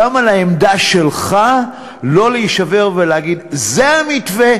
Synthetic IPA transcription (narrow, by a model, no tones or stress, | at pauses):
amalaemd̪aʃe̞lχa | lo̞leiʃave̞ʁveleɦaɡid̪ze̞amitve